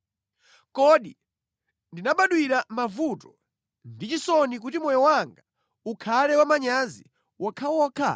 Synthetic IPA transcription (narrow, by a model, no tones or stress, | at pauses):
kɔɗi | ndinaɓaɗwiɾamavutɔ̥ | ndit͡ʃisɔnik̬utimɔjɔwaŋɡa | ukʰalɛwamaɲazi | wʔakʰawɔkʰa̰